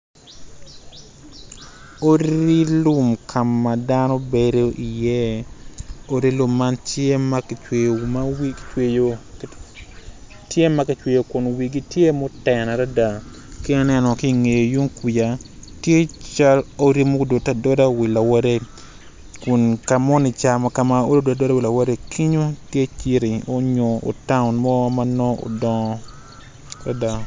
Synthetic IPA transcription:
o˦ɾi˦lu˦mkʰa˨mːa˨danɔ˦beɾo˦ʔi˨jɛ˦ | o˦ɾi˦lu˦mːa˦ntje˦ma˦kmawit͡ʃw | tje˦ma˦ki˨t͡ʃwe˨jo˨kʊ˨nwi˨ɡi˦tje˦mo˦tɛna˨ɾa˦da˨ | ke˦na˦nɛ˦nɔ˨ki˦ŋe˨jo˨ju˦ŋki˨ja˨tje˦t͡ʃa˦lo˦ɾi˦mo˦˨do˨ta˨dɔ˦da˦wi˨la˨wa˦ɾe˦ | kʊ˨nka˨mɔ˦ni˨t͡ʃa˨ma˨ka˨ma˨o˦ɾo˦dwadɔ˦da˦wi˨la˨wɾe˦kʰi˦ɲo˦tje˦t͡ʃi˦ɾi˨o˦ɲo˨o̰˨ta˦ʊ˨nmɔ˦ma˦nɔ˦o̰˨dɔ˦ | ɾa˦da˨

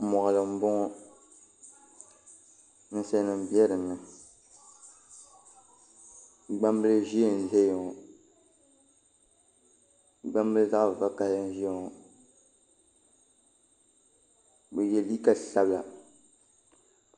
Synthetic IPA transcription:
mɔ˨ʔlɨ˨m̩˦bʊ˦ŋ˦ | n̩˦sɛ˦nɨ˨m˦bi˦ɛ˦ɾɨ˨nːɨ˨ | ɡ͡ba˦mbɨ˦lɨ˦ʒi˦ɛ˨n˨zɛ˦jo˨ŋ˨ | ɡ͡ba˦mbɨ˦lɨ˦za˦ʔva˦ka˦hɨ˦n˦ʒi˦ɛ˨ŋɔ˨ | bɛ˨jɛ˦li˦ka˦˨ɬa˦bla̰˨

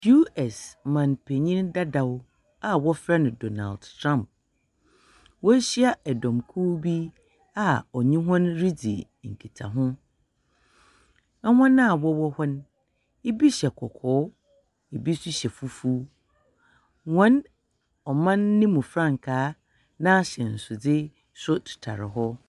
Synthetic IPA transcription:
ju˦ɛ˨smã˨npʰe˨ɲĩ˦nda˦da˨w | a˦wɔ˦fɾa˦nʊ̃˨do˨na̰˨ldtʰɾã˦˨mp̚ | wɔ˦ɕi˦a˦ɛ˨dɔ̃˨mkʰu˦bi˦ | a˨ɔ˨ɲĩ˦ɦʊ̃˦nɾi˦d͡zḭ˨ | ŋ̩˨kʰi˨tʰa̰˨ɦʊ̃˦ | ɛ˦hɔ̃˦nã˦˨wɔ˦wɔ˦hɔ˦n | e˦bi˦ɕɛ˨kʰɔ˨kʰɔː˨˦ | e˨bi˦sʊ˦ɕɛ˨fu˦fu˦ | wɔ̃˦n | ɔ˨mã˦nːɪ̃˦mũ˨fɾã˦˨ŋkʰaː˦ | nã˦˨ɕɛ˨n̩˨sʊ˨d͡zɪ˦ | sʊ˦tʰʊ̥˨tʰa̰˨ɾɪ̰˨ɦɔ˦

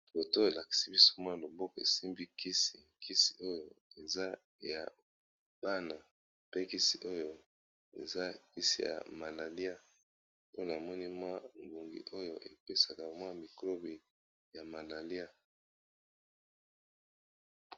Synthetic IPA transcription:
bo˨to˦e˨la˨ki̥˨si˦bi˦so̥˦mwa˦˨lo˨bo˦ko˨ḛ˨si˦mbi˦ki˦si˨ | kʰi˦si̥˨ʔo˦jo˨e˨za˦ | ja̰˨ | b̥a˦na˨ | pe˦ki˦si˨ʔo˦jo˨ | ḛ˨za˦ki˦sḭ˨ja̰˨ma˨la˨li˦a˦ | o˦na˨mɔ˦ni˦mwa˦ŋɡu˨ŋɡḭ˨ʔo˦jo˦ʔe˨pe˦sa˨ka˨mwa˦mi˨klo˦bi˨ | ja˨ma˨la˨li˦a˦

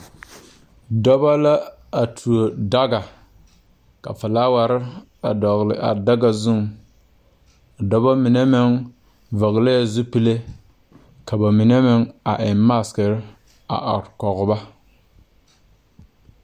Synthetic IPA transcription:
dɔ˦ba˦la˦ | a˨tʰu˨o˨da˦ɡa˨ | ka̰˨fa˨laː˦wa˨ɾɪ˦ | a̰˨dɔ˨ɣlɪ̰˨ʔa̰˨da˦ɡa˨zʊ˦ŋ˨ | dɔ˦ba˦mɪ˨ne˦mɪ˦ŋ | vɔ˨ɣla˦ja˨zʊ˦pi˦le˦ | ka˨ba˨mɪ˨ne˦mɪ˦ŋa˨ʔɪ˨ma˦˨skɪ˨ɾɪ˦ | a̰˨ʔa̰˨ɾkɔ˨ɣʊ˨ba˦

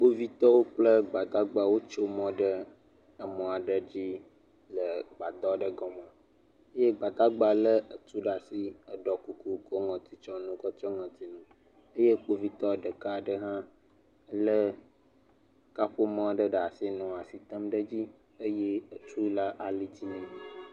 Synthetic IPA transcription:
k͡po˦vi˦t̪ɔ˦wo˦k͡plə˦ɡ͡ba˨d̪a˦ɡ͡ba˦wo˦t͡ʃo˦mɔ̃˦ɖə˦ | ə˨mɔ̃˨a˨ɖə˦d͡ʑi˦ | lə˨ɡ͡ba˨d̪ɔ˦ɖə˦ɡɔ˨mɔ̃˨ | ə˦je˦ɡ͡ba˨d̪a˦ɡ͡ba˦lə˦ə˨t̪u˦ɖa˨si˦ə˨ɖɔ˨ku˦ku˦ko˦ŋɔ̃˨t̪i˨t͡ʃɔ˦nũ˦kɔ˦t͡ʃɔ˦ŋɔ̃˨t̪i˨nũ˨ | ə˦je˦k͡po˦vi˦t̪ɔ˦ɖə˨ka˦˨ɖə˦ɦã˦ | lə˦ | ka˦ɸo˦mɔ̃˦˨ɖə˦ɖə˨a˨si˦nɔ̃˨a˨si˨t̪ə˦mɖə˦d͡ʑi˦ | ə˦je˦ə˨t̪u˦la˦ʔa˨li˦t̪i˦nɛ̃˦˨

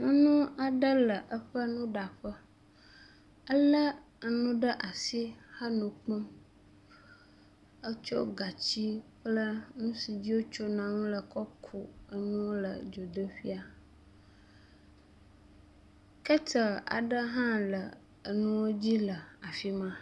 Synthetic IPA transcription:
nũ˦nũ˦a˨ɖə˦lə˨ʔə˦ɸə˦nũ˦ɖa˨ɸə˦ | ə˦lə˦ | ə˨nũ˦ɖə˦ʔa˨si˦ha˦nũ˨k͡pɔ˦m | ə˦t͡ʃo˦ɡa˨t͡ɕi˦k͡plə˦nũ˦si˨d͡ʑi˦wo˦t͡ʃo˦nã˨nũ˦lə˨kɔ˦kʰu˨ə˦nũ˦wlə̰˨d͡ʒo˨d̪ə˦ɸi˦a˨ | kə˦tə˨a̰˨ɖə˦ɦã˦lə˨ | ə˨nũ˦wo˦d͡ʑi˦lə˨a˨fi˦mã˦

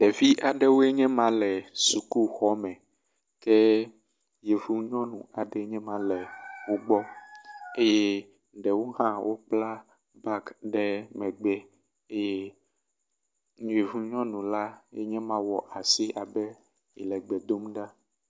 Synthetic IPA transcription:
ɖɛ˨vi˦ʔa˨ɖɛ˦wo˦ɛ˦ɲɛ̃˦mã˨lɛ˨su˨ku˦xɔ˦mɛ̃˨ | kɛ˦ | je˨vu˦ɲɔ̃˦nũ˨a˨ɖɛ˦ɲɛ̃˦mã˨lɛ˨wo˦ɡ͡bɔ˦ | e˦je˦ | ɖɛ˨wo˦ɦã˦wʔo˦k͡pla˦ | ba˦kɖɛ˦mɛ̃˨ɡ͡bɛ˦ | e˦je˦ | ɲũ˨˦e˨vu˦ɲɔ̃˦nũ˨la˦jḛ˦ɲɛ̃˦mã˦wɔ˨ʔa˨si˦ʔa˨bɛ˦ | jɛ˨lɛ˨ɡ͡bɛ˨d̪o˦mɖa˦

